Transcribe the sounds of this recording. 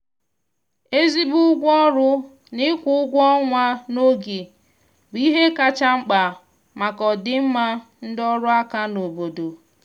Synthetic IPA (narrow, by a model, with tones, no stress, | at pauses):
e˦zi˦bʊ˦ʊ˦ɡʷɔ˦ɾʊ˦ | nɪ˦kʷʊ˦ʊ˦ɡʷɔ˦ŋʷa˦no˦ɡi˨ | bi˦ɦe˦ka˨t͡ʃa˦ŋ͡m̩˦k͡pa˨ | ma˨kɔ˨dɪ˨m̩˦ma˦n̩˦dɔ˦ɾʊ˦a˦ka˦no˨bo˨do˨